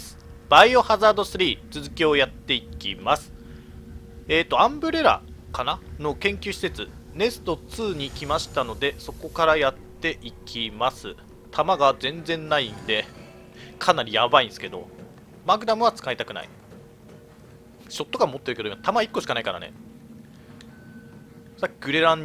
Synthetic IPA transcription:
s | b̥aio̞hazaːd̪o̞sɨɾʲiːt͡sɨzɨkʲio̞jat̪ːe̞ikʲimasɨ̥ | e̞ːt̪ːo̞ãmbɯ̟ɾe̞ɾa̰kanano̞kẽ̞ŋkʲɨɕi̥se̞t͡sɨne̞sɨ̥t̪o̞t͡sɨːɲ̟ikʲimaɕi̥t̪ano̞d̪e̞so̞ko̞kaɾajat̪ːe̞ʔikʲʰimasɨ | t̪ʰamaɡazẽ̞nd͡zẽ̞nːaind̪e̞ | kʰanaɾʲijabaĩnsɨ̥ke̞d̪o̞̰ | maɡɯ̟d̪amɯ̟β̞at͡sɨ̥kait̪akɯ̟na̰ḭ | ɕo̞t̪ːo̞kamo̞t̪ːeɾkeoimat̪amaikːo̞ɕi̥kanaikaɾa̰nḛ | sakʲːiɡɯ̟ɾe̞ɾãɲ

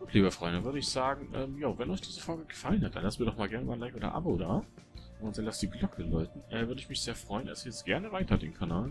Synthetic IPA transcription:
ɡ̥uːtʰliːbɐfʁ̥ɔʏndəvʏɐɾəɪçz̥aːɡŋ̩ʔɛːmjaːvɛnɔʏçd̥iːzəfɔlɡəɡəfalən̩hat̚d̥anlastmiːɐdɔχmaːlɡɛɐnəvaɪnlaɪçʔoːdɐ̰ʔa̰boːdaː | ʔʊntz̥anlastd̥iːɡlɔkʰəlɔʏtn̩ʔɛːvʏɐdəɪçmɪçz̥eːɐfʁ̥ɔʏənʔa̰lsiɐjɛt͡stɡ̥ɛɐnəvaɪtʰɐdḛːnkʰanaːl

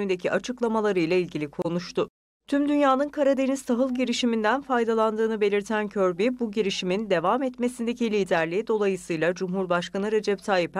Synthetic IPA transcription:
ynd̪e̞cʰiʔat͡ʃʰɯklˠamalˠaɾɯjlˠailʲɟilʲikʰo̞nuʃt̪ʊ | t̪ʰymd̪ynjaːnɯnkʰaɾad̪e̞nizt̪ʰaɦɯlˠɟiɾiʃimind̪ænfajd̪alˠand̪ɯːnɯbe̞lʲiɾt̪ʰæncʰøɾbibuɟiɾiʃimind̪e̞vamɛt̪me̞sind̪e̞cilʲiːd̪æɾlʲid̪o̞lˠajɯsɯjlˠad͡ʒumɦuɾbaʃkanɯɾe̞d͡ʒɛpt̪ʰaːjip

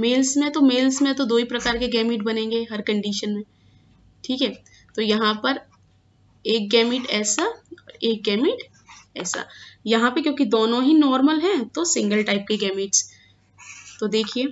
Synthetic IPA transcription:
meːlsmẽt̪omeːlsmẽt̪od̪oːipɾɐkaːɾkeɡɛːmɪʈbɐnẽːŋɡeɦɐɾkɐ̃ɳɖiːʃənmẽ | ʈʰiːkɦɛː | t̪ojɐɦãpɐɾ | eːk̚ɡɛːmɪʈɛːsaɔːɾeːk̚ɡɛːmɪʈ | ɛ̰ːsa̰jɐɦãpekjõːkid̪oːnõɦinɔːɾməlɦɛ̃t̪osɪ̃ŋɡəlʈaɪp̚keɡɛːmɪʈs | t̪od̪eːkʰieː

